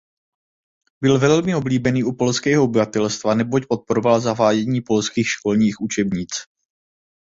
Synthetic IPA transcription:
bɪlvɛlmɪo̞bliːbɛniːʔupo̞lskɛːɦoobɪvat̪ɛlst̪vanɛbo̞cpo̞t̪̚poɾovalzaɦaːjɛɲiːpo̞lskiːxʃko̞lɲiːxʔut͡ʃɛbɲiːt͡s

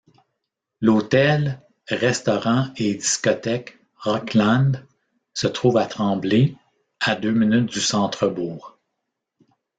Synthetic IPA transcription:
lot̪ɛl | ʁɛst̪ɔʁɑ̃ed̪iskɔt̪ɛk | ʁɔklãnd̪ | sət̪ʁuːvat̪χɑ̃ːble | ad̪øminʏt̪̚d̪ysɑ̃ːt̪χəbuːʁ

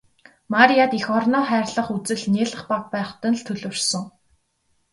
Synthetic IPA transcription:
maɾiat̪ixɔrnɔːχæːrɮə̆χut͡sɘ̆ɮneːɮə̆χpak̚pæːχt̪ə̆nɮt̪ʰɵɮɵ̆rsɞ̆ŋ

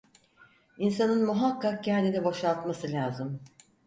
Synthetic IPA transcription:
insanɯnmuɦakːak̚cæɾd̪id̪ɛbo̞ʃalˠt̪masɯlʲaːzɯm

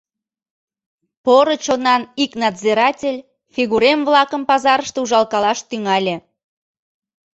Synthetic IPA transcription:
poɾot͡ɕonɑniknɑd̪zeɾɑtʲelʲ | fiɣuɾemβlɑkəmpɑzɑɾəʃt̪euʒɑlkɑlɑʃt̪yŋɑlʲe

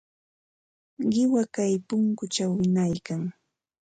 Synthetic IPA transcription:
ɢɪwakajpʊŋkʊt͡ʃawɪnajkaŋ

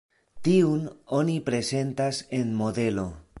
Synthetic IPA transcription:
tiuno̞nipɾe̞se̞ntase̞nmo̞de̞lo̞

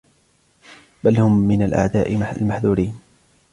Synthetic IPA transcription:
balhʊmːɪnalʔa̰ʕd̪aːʔɪalmaħðuːɾiːn

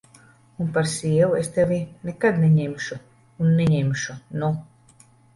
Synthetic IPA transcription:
unpaɾsʲiɛvuest̪evinekad̪neɲemʃuː | nːeɲemʃunu

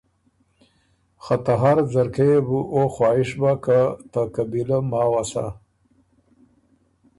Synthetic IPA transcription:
xat̪aɦaɾzaɾkeebuʔoxwɑːɪʂbakat̪akabilamɑːwasa̰

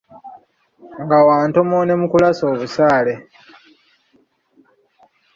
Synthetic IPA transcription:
ŋɡawaːnto̞mone̞mukulaso̞ːβusaːle̞

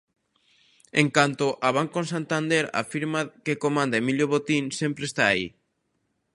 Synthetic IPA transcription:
eŋkant̪oʔaβ̞aŋkõnsant̪and̪eɾa̰fiɾmakekomãnd̪aemiʎjoβot̪insempɾest̪aːḭ

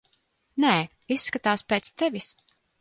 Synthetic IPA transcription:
nɛː | isːkat̪aːspeːt̪st̪evis

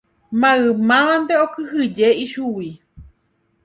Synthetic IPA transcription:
mãɨmãʋãnd̪eokɨɦɨd͡ʒeiʃuwi

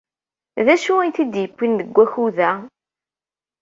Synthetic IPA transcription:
ðæʃuænt̪id̪jəkʷːinðəɡʷːæçuðæ

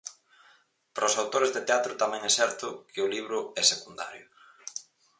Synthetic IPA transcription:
pɾosawt̪oɾezðet̪eat̪ɾʊt̪amɛ̃ŋɛsɛɾt̪ʊkʰɪʊliβ̞ɾʊɛsekund̪a̰ɾjʊ

